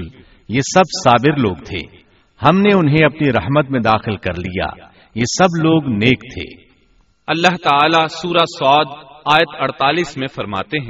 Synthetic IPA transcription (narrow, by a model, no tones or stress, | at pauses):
jesɐbsaːbɪɾloːɡt̪ʰḛː | hɐmneʊnɦẽɐpniɾɐɦmət̪mẽd̪aːxɪlkɐɾlija̰ː | jeːsɐbloːɡneːkt̪ʰḛː | ɐlːaɦt̪aaːlasuːɾasɔːd̪aːjət̪ɐɽt̪aːliːsmẽfɐɾma̰ːt̪eɦɛ̃